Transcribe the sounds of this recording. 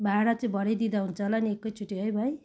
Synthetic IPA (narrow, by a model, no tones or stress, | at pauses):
bʱaɽat͡sĩbʱʌɽejd̪id̪aɦunt͡sʰʌlaniekːʌjt͡sʰuʈːiɦojbʱʌj